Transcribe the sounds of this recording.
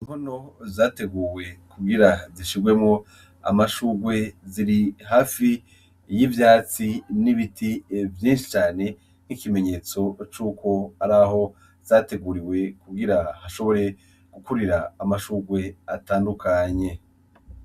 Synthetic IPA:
im̥hono̞zaːte̞ɡuːwe̞kuɡiɾaziʃiɡwe̞mŋo̞ | a̰maʃuːɾɡwe̞ziɾiɦaːfi | jivjaːt͡siniβitivjĩːnʃi̥t͡ʃaːne̞ | n̥ikime̞ɲe̞ːt͡so̞t͡ʃuːko̞aɾaɦo̞ | z̥aːte̞ɡuːɾiwe̞kuɡiɾahaʃo̞βo̞ɾe̞ | ɡ̥ukuɾiɾaːmaʃuːɾɡwe̞ataːndukʰaɲe̞

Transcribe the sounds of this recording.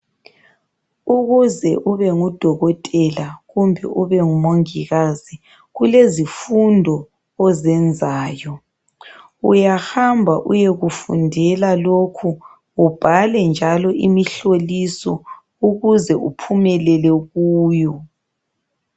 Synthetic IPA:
uɣuzɛʔuβɛŋud̥ʱɔɣɔtʼɛlaɣumbʱɛ̰ʔuβɛŋumoŋiɣaz̥i | ɣulezifundʱɔː | zɛnd͡zʱaːjɔ | ṵjahambʱaʔṵjeɣufṵndʱɛlalokʰu | ub̥ʱalɛnd͡ʒʱalɔʔimiɬolisɔ̰ | uɣuzɛʔupʰumɛlɛlɛɣuːjɔ

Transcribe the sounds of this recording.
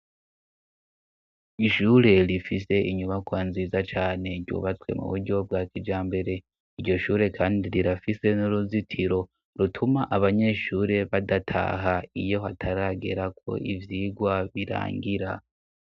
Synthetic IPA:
iʃuːɾe̞ɾifise̞ʔiɲuβakwaːnziːzat͡ʃaːne̞ɾɟṵːβat͡swe̞̰mṵβuɾɟo̞b̚waːkid͡ʒaːmbe̞ɾe̞ | iɾɟo̞ʃuːɾe̞kʰaːndiɾiɾafise̞nuɾuzitʰiɾo̞ | ɾutʰumaʔaβaɲe̞ʃuːɾe̞βadatʰa̰ɦaijo̞ɦatʰaɾaɡe̞ɾakʰo̞̰ivjiːɡwaβiɾa̰ːŋɡiɾa

